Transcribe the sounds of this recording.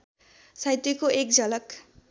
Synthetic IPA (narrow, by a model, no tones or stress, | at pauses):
sajt̪ekoʔek̚d͡zʌlʌk